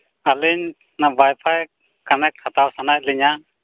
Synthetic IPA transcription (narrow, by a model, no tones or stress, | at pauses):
aliɲ | nabajpʰaj | kanɛk̚tʰat̪awsanac̚liɲa